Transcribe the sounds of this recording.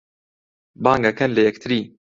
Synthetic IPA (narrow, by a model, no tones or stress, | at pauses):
baːŋɡakɛnlɨjɛkt̪ʰɨɾiː